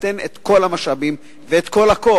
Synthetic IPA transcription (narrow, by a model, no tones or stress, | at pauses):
tenḛt̪ko̞lamaʃabim | veet̪ko̞lako